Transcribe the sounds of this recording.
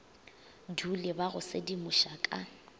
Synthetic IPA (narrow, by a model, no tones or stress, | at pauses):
dulɪbaɣʊsedimʊʃakʼa